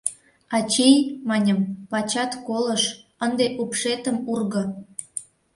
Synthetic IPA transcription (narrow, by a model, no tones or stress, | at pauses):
ɑt͡ɕejʲmɑnʲəmpɑt͡ɕɑt̪koləʃənd̪eʔupʃet̪əmurɣɤ̆